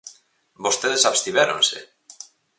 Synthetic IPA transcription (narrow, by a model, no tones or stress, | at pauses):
bost̪eðesaβst̪iβeɾõnsḛ